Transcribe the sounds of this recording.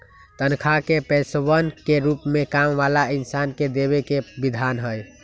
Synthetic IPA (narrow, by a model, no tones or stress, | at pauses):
t̪ənkʰakepɛsʋənkeɾupmekamʋalainsanked̪eβekebid̪ʱanɦəj